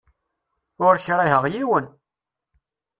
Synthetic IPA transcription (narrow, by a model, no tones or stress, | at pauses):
ʊɾçɾˤiɦəʁjiwən